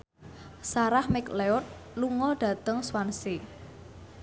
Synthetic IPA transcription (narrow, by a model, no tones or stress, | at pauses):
saɾahmɪkleʊt̪̚luŋɔɖ̥ä̤t̪əŋswanse